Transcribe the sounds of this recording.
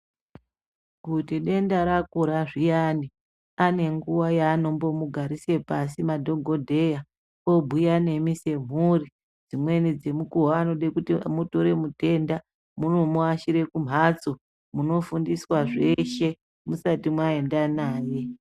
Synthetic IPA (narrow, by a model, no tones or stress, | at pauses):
kutiɗe̞ndaɾakuɾaʐijani | ane̞ŋɡuwajaːno̞mbo̞muɡʱaɾise̞pasimadʱo̞ŋɡo̞dʱe̞ja | o̞bʱujane̞mise̞m̤uri | d͡zimwe̞nid͡ze̞mukuɦaːno̞ɗekutimutoɾe̞mute̞nda | munomoaʃiɾe̞kum̤at͡so | muno̞fundiswaʐe̞ʃe̞ | musatimwae̞ndanaːje̞